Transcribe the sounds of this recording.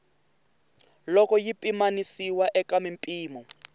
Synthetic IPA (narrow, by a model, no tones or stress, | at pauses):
lɔkɔjipʼimanisiwaʔɛkamimpʼiːmɔ